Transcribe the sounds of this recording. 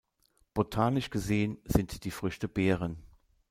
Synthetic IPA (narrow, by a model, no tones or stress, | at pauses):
b̥otʰaːnɪʃɡ̥əzeːənz̥ɪntd̥iːfʁ̥ʏçtəbeːʁən